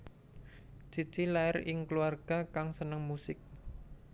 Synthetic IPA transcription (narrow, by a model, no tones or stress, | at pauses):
t͡ʃit͡ʃilaɪrɪŋkluarɡ̥a̤kaŋsənəŋmusɪk̚